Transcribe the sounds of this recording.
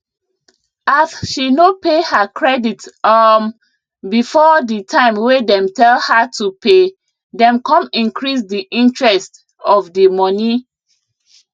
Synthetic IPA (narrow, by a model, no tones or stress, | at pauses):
asʃinopehəkʰɹɛditam | bifɔditʰãɪ̃mwedɛ̃mtʰɛlhətʰupʰe | dɛ̃mkʰɔ̃mĩnkʰɹis̬diʔĩntɹɛst | ɔvdəmɔni